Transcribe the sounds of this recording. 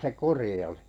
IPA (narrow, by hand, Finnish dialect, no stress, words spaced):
se kuri oli̥